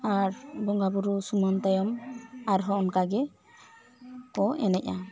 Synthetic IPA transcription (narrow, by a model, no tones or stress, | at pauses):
aɾbɔŋɡabuɾusumɔnt̪ajɔmaɾɦɔɔnkaɡɛ | kɔɛ̰nɛc̚a